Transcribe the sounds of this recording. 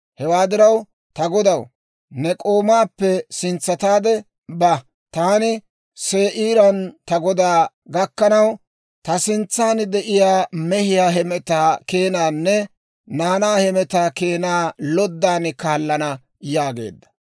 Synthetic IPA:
hɛwaːd̪ɪɾɐw | t̪ɐɡɔd̪ɐw | nɛkʼoːmaːpːɛsɪnt͡sːɐt̪aːd̪ɛ | bɐ | t̪aːnɪ | seːʔiːɾɐnt̪ɐɡɔd̪aː | ɡɐkːɐnɐw | t̪ɐsɪnt͡sːaːnd̪ɛʔɪjaːmɛhɪjaːɦɛmɛt̪aːke̞ːnaːnːɛ | naːnaːhɛmɛt̪aːke̞ːnaːlɔd̪ːaːnkaːlːɐnɐ | jaːɡe̞̰ːd̪ːɐ̥

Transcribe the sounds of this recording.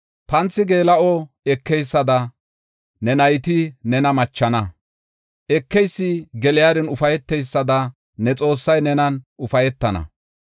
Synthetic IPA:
pɐnt͡sːɪɡe̞ːlɐʔɔ | ɛkːɛjsːɐd̪ɐ | nɛnɐjt̪ɪnɛnɐmɐt͡ʃːɐnɐ | ʔɛkːɛjsːɪɡɛlɪjaːd̪ɛnʊfɐjɛt̪ːɛjsːɐd̪ɐ | nɛt͡sʼo̞ːsːɐjnɛnɐnʔʊfɐjɛt̪ːɐnɐ̰

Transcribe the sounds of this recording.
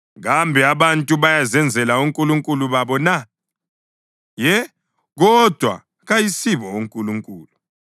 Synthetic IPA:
ɣambʱiaβantʼuβajazɛnd͡zʱɛlauŋkʼuluŋkʼuluβaβɔna | jɛ | ɣɔd̥ʱwa̰ | ɣajisiβɔuŋkʼuluŋkʼuːlu

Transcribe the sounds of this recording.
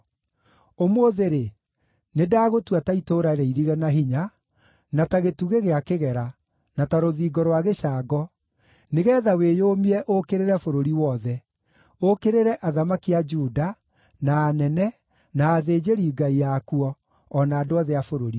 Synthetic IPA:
omoðeɾe | nedaːɣotuataitoːɾaɾɛiɾiɣɛnaɦiɲa | nataɣetuɣeɣeakeɣɛɾa | nataɾoðiːɡɔɾowaɣeʃaːɡɔ | neɣɛːðaweːjoːmiɛʔokeɾeɾɛfoɾoɾiwɔðɛ | okeɾeɾɛʔaðamakiad͡ʒuːda | naːnɛnɛ | naːðed͡ʒeɾiːɡaijakuɔː | naːdoaðɛafoɾoɾi

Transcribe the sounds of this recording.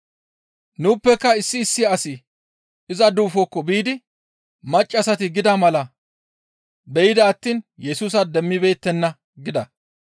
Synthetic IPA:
nuːpːɛkːɐɪsːɪːsːɪɐsɪ | ɪzɐd̪uːfɔkːɔbiːd̪ɪ | mɐt͡ʃʼːɐsɐt̪ɪɡɪd̪ɐmɐlɐ | bɛjɪd̪ɐːt̪ːiːnjɛsuːs̬ɐd̪ɛmːɪbe̞ːt̪ːɛnːɐ | ɡɪd̪ɐ

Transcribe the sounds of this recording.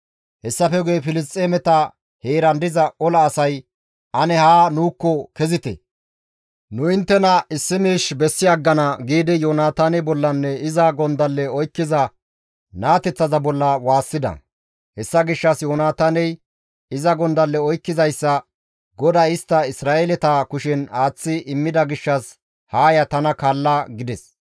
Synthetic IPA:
hɛsːɐfɛɡɛjfɪlɪs̬t̪ʼːeːmɛt̪ɐ | heːɾɐnd̪ɪzɐɔlɐːsɐj | ʔɐnɛhaːnuːkːɔkɛzɪt̪ɛ̰ | nʊɪnt̪ːɛnɐɪsːɪmiːʃbɛsːɪɐɡːɐnɐɡiːd̪ɪjoːnaːt̪aːnɛbɔlːɐnːɛɪzɐɡɔnd̪ɐlːɛɔjkːɪzɐ | naːt̪ɛt͡sːɐzɐbɔlːɐwaːsːɪd̪ɐ̰ | hɛsːɐɡɪʃːɐsjoːnaːt̪aːnɛj | ɪzɐɡɔnd̪ɐlːɛɔjkːɪzɐjsːɐ | ɡɔd̪aɪst̪ːɐɪsɾaːʔelɛt̪aːkʊʃɛnaːt͡sːɪʔɪmːɪd̪ɐɡɪʃːɐs | haːjɐt̪ɐnɐkaːlːɐɡɪd̪ɛs

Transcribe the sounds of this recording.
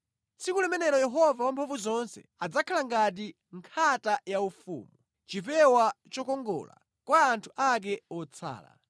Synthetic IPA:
sikulɛmɛnɛɾɔjɛɦɔvawampʰavuzɔnsɛ̰ | ad͡zakʰalaŋɡat̬i | ŋkʰatajaufṵːmu | t͡ʃipɛwat͡ʃɔkɔŋɡɔ̰ːla̰ | kwaːntʰu̥ʔak̬ɛɔt͡sʰa̰ːla̰

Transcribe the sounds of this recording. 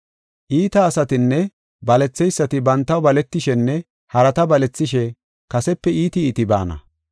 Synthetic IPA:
ʔiːt̪ɐːsɐt̪ɪnːɛ | bɐlɛt͡sːɛjsːɐt̪ɪbɐnt̪ːɐwbɐlɛt̪ːɪʃɛnːɛ | hɐɾɐt̪ɐbɐlɛt͡sːɪʃɛ | kɐsɛpːɛiːt̪ɪiːt̪ɪba̰ːnɐ̰

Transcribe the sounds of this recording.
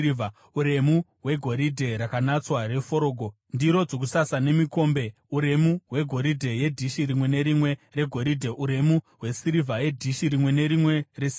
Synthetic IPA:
a | uɾe̞muɦwe̞ɡʱo̞ɾidʱe̞ɾakanat͡sware̞fo̞ɾo̞ːɡʱo | ndiɾo̞d͡zok̬usasane̞miko̞mbe̞ | uɾe̞muweɡʱo̞ɾidʱe̞je̞dʱiʃirimwe̞ne̞ɾimwe̞re̞ɡʱo̞ɾidʱe̞ʔuɾe̞muɦwe̞siɾivʱaje̞dʱiʃiɾimwe̞ne̞ɾimwe̞res

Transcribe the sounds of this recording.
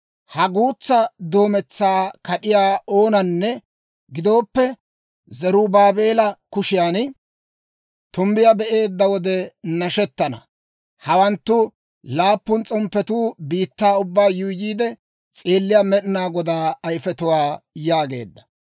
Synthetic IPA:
hɐɡuːt͡sːɐd̪o̞ːmɛt͡sːaːkɐɗɪjaːo̞ːnɐnːɛ | ɡɪd̪o̞ːpːɛ | zɛɾʊbaːbe̞ːlɐkʊʃɪjaːn | t̪ʊmbɪjabɛʔe̞ːd̪ːɐwɔd̪ɛnɐʃɛt̪ːɐnɐ̰ | hɐwɐnt̪ːʊ | laːpːʊnt͡sʼɔmpːɛt̪uːbiːt̪ːaːʊbːaːjʊːjiːd̪ɛ | t͡sʼeːlːɪjamɛɗnaːɡɔd̪aːɐjfɛt̪ʊwaːjaːɡe̞̰ːd̪ːɐ̥

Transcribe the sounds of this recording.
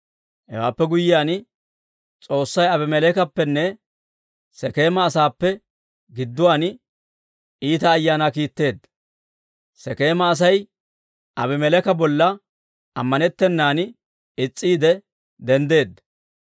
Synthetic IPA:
hɛ̰wa̰ːpːɛɡʊjɪjaːn | t͡sʼo̞ːsːɐjɐbɪmɛlɛkɐpːɛnːɛ | sɛke̞ːmɐːsaːpːɛ | ɡɪd̪ːʊwaːn | iːt̪ɐːjːaːnakiːt̪ːe̞ːd̪ːɐ | sɛke̞ːmɐːs̬ɐj | ɐbɪmɛlɛkɐbɔlːɐ | ɐmːɐnɛt̪ːɛnːaːn | ɪt͡sʼːiːd̪ɛ | d̪ɛnd̪e̞ːd̪ɐ

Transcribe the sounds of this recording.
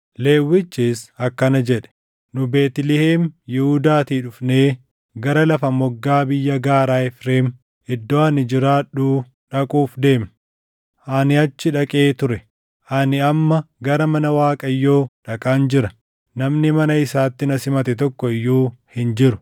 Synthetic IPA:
le̞ːwːɪt͡ʃːiːsɐkːɐnɐd͡ʒɛᶑɛ̥ | nʊbe̞ːt̪ɪlɪheːmjɪhʊd̪aːt̪iːᶑʊfneː | ɡɐɾɐlɐfɐmɔɡːaːbɪjːɐɡaːɾaːɛfɾeːm | ɪd̪ːoːɐnɪd͡ʒɪɾaːᶑuː | ᶑɐkʼuːfd̪e̞ːm | ʔɐnɪɐt͡ʃːɪᶑɐkʼeːt̪ʊɾɛ | ʔɐnɪɐmːɐɡɐɾɐmɐnɐwaːkʼɐjːo̞ːᶑɐkʼaːnd͡ʒɪɾɐ | nɐmnɪmɐnɐɪsaːt̪ːɪnɐsɪmɐt̪ɛt̪ɔkːɔɪjːuːhɪnd͡ʒɪɾʊ

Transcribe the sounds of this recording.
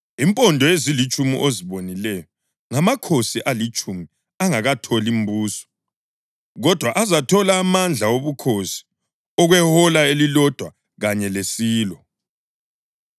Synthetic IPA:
impʼɔndʱɔezilit͡ʃʼumḭʔoziβonilɛjɔ | ŋamakʰosiʔalit͡ʃʼumi | aŋaɣatʰolim̩buːsɔ̥ | ɣɔd̥ʱwaʔazatʰɔlaːmand͡ɮʱawoβukʰosi̥ | ɔɣwɛhɔlaelilɔd̥ʱwa | ɣaɲɛlesiːlɔ

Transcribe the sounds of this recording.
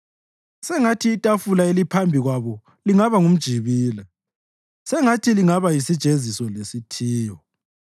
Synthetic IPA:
sɛŋatʰiːtʼafulaelipʰambʱiɣwaβɔ | liŋaβaŋum̩d̥ʒ̥ʱiβiːlɛ | sɛŋatʰiliŋaβajisid̥ʒ̥ʱezisɔlesitʰiːjɔ

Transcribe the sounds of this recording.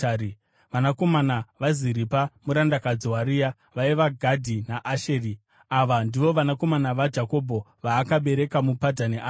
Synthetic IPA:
i | ʋanako̞manaʋaziɾipamuɾandakad͡ziwaɾija | ʋaiʋaɡʱadʱinaʔaʃeːri | aʋandiʋo̞ʋanako̞manaʋad͡ʒako̞bʱo̞ʋaːkaɓe̞ɾe̞kamupadʱaniʔa

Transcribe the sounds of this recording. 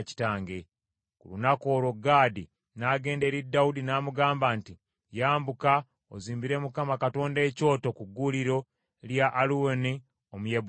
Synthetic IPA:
ci̥taːŋɡe̞ | kulunako̞ːɾo̞ɡaːdi | naːɡe̞ːnde̞ɾidːawudinaːmuɡaːmbanti | jaːmbuka | o̰ziːmbiɾe̞mukamakato̞ːnde̞ːco̞ːto̞kuɡːuliɾo̞ | ljaʔːluoni | omujeb

